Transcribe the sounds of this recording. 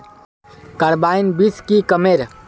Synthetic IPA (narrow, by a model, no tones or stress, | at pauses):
kəɾbaːinbiskikəmeːɾ